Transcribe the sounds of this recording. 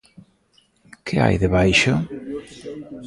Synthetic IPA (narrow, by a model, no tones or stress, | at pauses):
kʰɪa̰jðeβajʃʊ